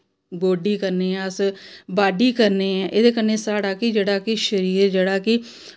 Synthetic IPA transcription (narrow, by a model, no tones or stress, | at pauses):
ɡoːɖiːkəɾneːɛ̃əsbaːɖiːkəɾneːɛ̃ːʔeːd̪eːkəɾneːsaːɽaːkɪd͡ʒeːɽaːkɪʃəɾiːɾd͡ʒeːɽaːkɪ